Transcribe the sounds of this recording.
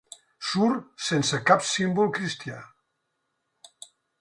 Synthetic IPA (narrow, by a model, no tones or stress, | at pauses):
suɾsensəkapsimbulˠkɾist̪ia